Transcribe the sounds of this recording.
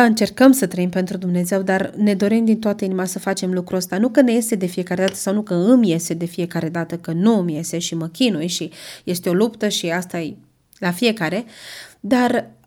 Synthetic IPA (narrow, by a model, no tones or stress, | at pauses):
ɨnt͡ʃe̞rkəmsət̪ɾəimpe̞nt̪ɾud̪umne̞ze̞wd̪arne̞d̪o̞ɾimd̪int̪oat̪əinimasəfat͡ʃe̞mlukɾuəst̪anukəne̞je̞st̪ed̪e̞fije̞kaɾed̪at̪ə̥sawnukəɨmje̞sed̪e̞fije̞kaɾe̞d̪at̪əkənuɨmje̞seʃiməkʲinujʃije̞st̪eo̞lupt̪əʃiast̪ae | lafije̞kaɾe̞d̪ar